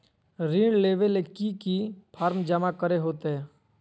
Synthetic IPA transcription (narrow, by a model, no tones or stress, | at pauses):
ɾiːɳleːʋelekikipʰaːɾmd͡ʒəmakəɾeɦoːt̪eɦɛː